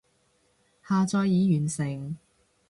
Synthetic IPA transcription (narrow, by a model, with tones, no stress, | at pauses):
haː˨˧t͡sɔː˧jːiː˨˧jyː˨˩nsɪ˨˩ŋ